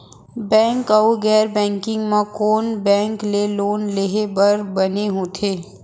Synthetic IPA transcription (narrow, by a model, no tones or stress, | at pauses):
bɛ̃ːŋkɐuɡɛːɾbɛ̃ːŋkɪ̃ŋɡmãkoːnbɛ̃ːŋkleloːnleɦebəɾbɐneɦoːt̪ʰeː